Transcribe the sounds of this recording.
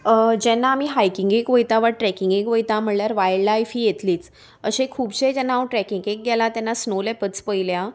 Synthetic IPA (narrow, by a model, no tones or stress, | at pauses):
d͡ʑɛnːaːmiːɦajkiŋɡekʋəjt̪aʋaʈɾɛkiŋɡekʋəjt̪ãm̤əɳljaɾʋajɽlajfiːjet̪liːt͡s | əɕekʰuːbɕed͡ʑɛnːawʈɾɛkiŋɡek̚ɡɛlat̪ɛ̃nːasnolɛpət͡spəjlja